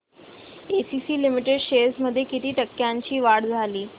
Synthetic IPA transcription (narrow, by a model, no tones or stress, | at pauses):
esisiːlimiʈeɖɕesməd̪ʱːjekit̪iːʈəkːjaɲt͡ɕiːʋaɽd͡zʱaliː